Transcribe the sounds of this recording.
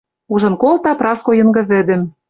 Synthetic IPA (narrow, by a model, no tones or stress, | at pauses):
uʒɤ̆nkolt̪ɑprɑskojɤ̆ŋɡɤ̆βɘ̆d̪ɘ̆m